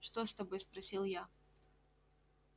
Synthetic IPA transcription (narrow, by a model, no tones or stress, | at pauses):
ʂt̪ost̪ɐbojspɾɐsʲilˠja